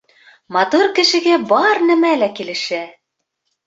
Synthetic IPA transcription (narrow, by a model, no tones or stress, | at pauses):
mɑt̪uɾkɘ̆ʃɘ̆ɡæbɑɾnɘ̆mælækilɘ̆ʃæ